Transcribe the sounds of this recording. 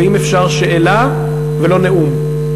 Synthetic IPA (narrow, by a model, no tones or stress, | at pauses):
imefʃaʁʃeʔela | velo̞neʔum